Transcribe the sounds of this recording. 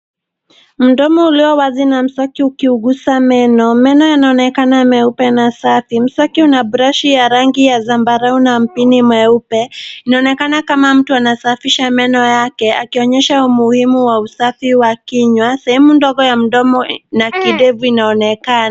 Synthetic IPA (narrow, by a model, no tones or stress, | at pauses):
m̩dɔmɔuliɔwazinam̩sɔkiukiuɡusamɛnɔmɛnɔjanaɔnɛkanaːmɛupɛnasafim̩sɔkiunabuɾaʃijaɾaŋɡijazambaɾaunam̩pinimɛupɛinaɔnɛkanakamam̩tuanasafiʃamɛnɔjakɛakiɔɲɛʃaumuhimuwausafiwakiɲwasɛhɛmundɔɡɔjam̩ɗɔmɔnakiɗɛvuinaɔnɛkana